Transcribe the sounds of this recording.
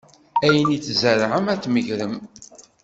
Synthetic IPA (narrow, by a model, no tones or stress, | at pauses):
æjənit͡sːzəɾˤʁəmæt͡sːməʝɾəm